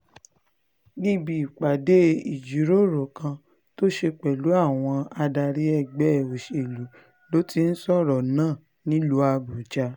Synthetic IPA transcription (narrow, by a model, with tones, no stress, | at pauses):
ɡi˦bi˧˨i˨k͡pa˨de˦i˦˨d͡ʒi˨˦ɾo˦˨ɾo˨kã˧ | to˦ʃe˧k͡pɛ˨lu˨˦a˦˨w̃ɔ̃˧a˧da˧ɾi˦ɛ˦˨ɡ͡bɛ˦˨o˨ʃe˨lu˨˦ | lo˨˦ti˦n̩˦sɔ˦˨ɾɔ˨nãː˦˨ | nĩ˨˦lu˧˦a˧bu˨d͡ʒa˧